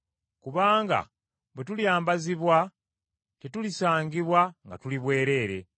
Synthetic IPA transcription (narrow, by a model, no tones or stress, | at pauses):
kuβaːŋɡa̰ | bwetuljaːmbaziβwa | tetulisaːŋɡiβwaŋɡa̰tuliβwe̞ːɾe̞ːɾe̞̰